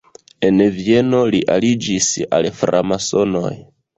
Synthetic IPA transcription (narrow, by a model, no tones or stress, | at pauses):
e̞nvie̞no̞liʔa̰lid͡ʒisa̰lfɾa̰maso̞no̞̰j